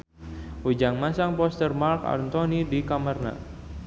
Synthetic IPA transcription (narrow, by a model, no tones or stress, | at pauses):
ud͡ʒaŋmasaŋpɔst̪ərmarka̰rnt̪ɔnidikamərna̰